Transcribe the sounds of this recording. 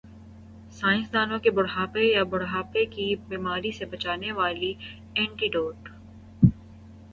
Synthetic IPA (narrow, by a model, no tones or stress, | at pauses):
saːɪ̃nsd̪aːnõkebʊɽɦaːpejabʊɽɦaːpekibiːmaːɾisebɐt͡ʃaːneʋaːli | ɛ̃ːɳʈiːɖoːʈ